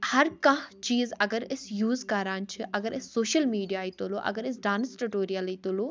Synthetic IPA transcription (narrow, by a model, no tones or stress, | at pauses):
hɐɾkãɦt͡ʃiːzɐɡəɾɪsjuːzkaːɾaːnt͡ʃʰɨʔɐɡəɾɪsːoːʃəlmiːɖijaːit̪oloːʔɐ̰ɡəɾɪsɖaːnsʈʊʈoːɾijəliːt̪oloː